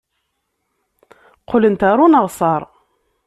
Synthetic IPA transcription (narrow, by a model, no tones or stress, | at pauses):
qʰʊlənt̪aɾˤunəʁsˤɑɾˤ